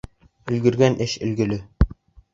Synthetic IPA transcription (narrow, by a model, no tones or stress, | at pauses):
ɵ̆lɡɵ̆ɾɡænʔɘɕɵ̆lɡɵ̆lɘ